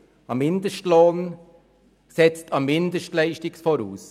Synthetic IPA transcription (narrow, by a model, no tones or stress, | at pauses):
ɑmːɪndəʃtloːn | sɛt͡stʰɑmːɪndəʃtlɛɪʃtɪksfoːɾṵːs